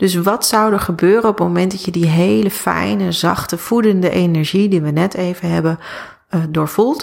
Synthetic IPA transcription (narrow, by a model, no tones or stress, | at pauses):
d̥ɵs̬ʋɑtsʌwdəχəbøːrənɔpəmomɛnt̚dɑtjədiɦejləfɛ̰jnəzɑ̰χtəv̥udəndəʔenɛɹʒidiʋənɛtʰejvənɦɛbən | dʊːɹv̥ulˠt